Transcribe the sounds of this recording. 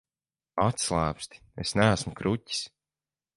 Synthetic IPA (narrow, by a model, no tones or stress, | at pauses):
at̪slˠæːpst̪i̥esnæːsmukɾuci̥s